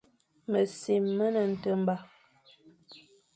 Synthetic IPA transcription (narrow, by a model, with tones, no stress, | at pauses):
mə˨si˨mːə˦nə˨n̩˨tə˦m˦ba˦